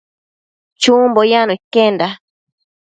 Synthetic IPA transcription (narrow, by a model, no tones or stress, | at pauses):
t͡ʃumbojanoikenda